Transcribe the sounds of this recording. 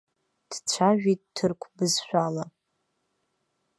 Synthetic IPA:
d̥t͡ɕʷʰaʒᶣit̚ʼtʰːɨrkʷʰbɨzʃʷᶣala

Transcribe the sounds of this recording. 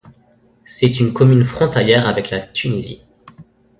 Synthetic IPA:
sɛt̪ynkɔmynfχɔ̃t̪aljɛʁavɛklat̪ynizḭ

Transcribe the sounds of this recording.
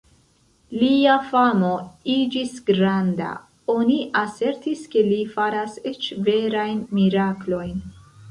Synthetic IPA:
liafamo̞id͡ʒisɡɾanda̰ | o̞niʔase̞ɾtiske̞lifaɾase̞t͡ʃve̞ɾajnmiɾaklo̞jn

